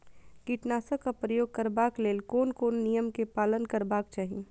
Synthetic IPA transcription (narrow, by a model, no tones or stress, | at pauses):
kiːʈnaːsakapɾəjoːɡ̚kəɾbaːkleːlkoːnkoːnːijəmkepaːlənkəɾbaːkt͡ʃaːɦieː